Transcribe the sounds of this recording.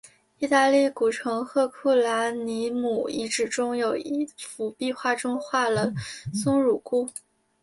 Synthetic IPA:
i˥˧t̪a˥˧li˥˩ku˨˩ʈ͡ʂʰɤ˧˥ŋxɤ˥˧kʰu˥˩la˧˥ni˧˥mu˨˩i˧˥ʈ͡ʂɻ̩˨˩ʈ͡ʂʊ˥ŋjo˨˩ʊi˥˩fu˧˥pi˥˧xwa˥˩ʈ͡ʂʊ˥ŋxwa˥˩lə˩sʊ˥ŋɻu˨˩ku˥˩

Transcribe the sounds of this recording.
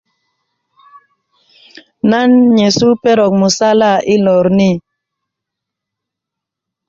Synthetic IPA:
na˦nɲe˨su˦pɛ˦ɾɔ˨k̚mu˨sa˦la˦˨i˦lɔ˨ɾni˦

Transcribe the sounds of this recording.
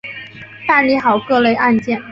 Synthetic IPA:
t̪a˥˩nli˧˥xɑ˨˩ʊkɤ˥˧le˥˧ɪʔa˥˧nt͡ɕjɛ˥˩n

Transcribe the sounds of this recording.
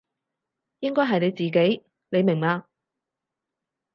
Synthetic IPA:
jɪ˥ŋkɔː˥jɦɐ˨jne˨˧jt͡siː˨˩ke˨˥j | ne˨˧jmɪ˨˩ŋaː˧

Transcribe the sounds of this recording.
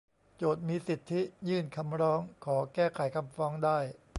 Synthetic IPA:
t͡ɕoː˨˩t̪̚miː˧si˨˩t̪ʰːi˦˥jɯː˥˩nkʰa˧mɾɔː˦˥ŋkʰɔː˩˦kɛː˥˩kʰa˩˦jkʰa˧mfɔː˦˥ŋdaː˥˩j

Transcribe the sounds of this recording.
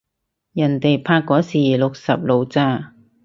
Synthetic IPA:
jɐ˨˩nt̪e˨jpʰaː˧kːɔː˨˥siː˨lʊ˨k̚sɐ̰˨p̚lo˨˧wt͡saː˧˥

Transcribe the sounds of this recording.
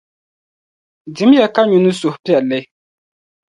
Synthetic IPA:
dɪ˨˦mja˨ka˦ɲu˨nɨ˦sʊ˨hpi˦ɛ˨lɨ˦

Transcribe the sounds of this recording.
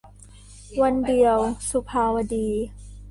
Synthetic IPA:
wa˧ndi˨˩əwsu˧pʰaː˧wa˧diː˧

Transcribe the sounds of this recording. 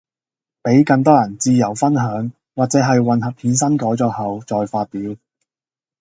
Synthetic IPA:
pe˨˥jkɐ˧ŋt̪̬ɔː˥jɐ˨˩nt͡siː˧jɐ˨˩wfɐ˥nɦœː˨˥ŋ | waː˨t̚t͡sɛː˨˥ɦɐ˨jwɐ˨nhɐ˨p̚hʰiː˨˥nsɐ˥nkɔː˨˥jt͡sɔː˧k̚hɐ˨wt͡sɔː˨jfaː˧t̚piː˨˥w

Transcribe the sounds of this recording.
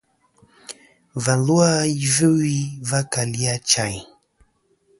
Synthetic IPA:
va˨nlu˦a˦i˦və˦wi˦va˦ka˨li˦a˦t͡ʃa˨j

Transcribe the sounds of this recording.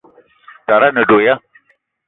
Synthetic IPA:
t̪a˨ɾa˦nə˨ɖo˨ja˦

